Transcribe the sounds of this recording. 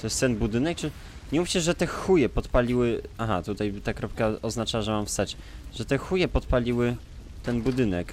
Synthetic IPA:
t̪ɔjɛst̪ɛnbud̪ɘnɛk̚t͡ʂɘ | ɲɛmufʲt͡ɕɛʐɛt̪ɛxujɛpɔt̪palʲiwɘaɦat̪ut̪ajt̪akɾɔp̚kaɔznat͡ʂaʐɛmamfst̪at͡ɕ | ʐ̥ɛt̪ɛxujɛpɔt̪palʲiwɘ | t̪ɛnbud̪ɘnɛk

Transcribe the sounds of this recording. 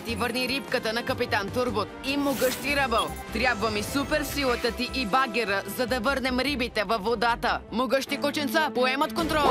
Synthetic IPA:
t̪ivəɾniɾipkət̪ənɐkəpit̪ant̪uɾbot̪̚imoɡəʃt̪iɾəbəlˠt̪ɾʲjabvəmisupɛɾsilˠət̪ət̪iʔibaɡʲɛɾəzɐd̪ɐvɤɾnɛmɾibit̪ɛvɐfːod̪at̪əmoɡəʃt̪ikot͡ʃɛnt̪səpoɛmət̪kont̪ɾɔlˠ

